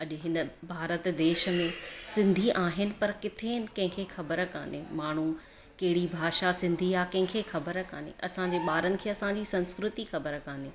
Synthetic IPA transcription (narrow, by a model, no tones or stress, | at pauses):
ɐʄɦɪnə̆bʱaːɾət̪d̪eːʃə̆mẽsɪ̃nd̪ʱiʔaːɦɪnɪ̆pɐɾkɪt̪ʰeːnɪ̆kɐ̃ɦɪ̃kʰexɐbəɾəka̰ːnemaːɳ̤u | kɐɦɪɽibʱaːʃasɪ̃nd̪ʱiaːkɐ̃ɦɪ̃kʰexɐbəɾəka̰ːnḛʔɐsãɲd͡ʑeːɓaːɾənɪ̆kʰeːɐsãd͡ʑisɐ̃nskɾʊt̪ixɐbəɾəkãːneː